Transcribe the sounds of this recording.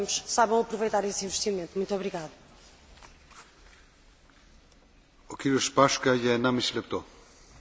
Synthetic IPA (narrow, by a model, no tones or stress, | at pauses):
muʃsaβɐ̃w̃ɐpɾuvɐjt̪aɾesĩvʃt̪imẽnt̪umũt̪ɔβɾiɣaðu | okiɾuʃpaʃkɐjɐnãmisilep̚t̪o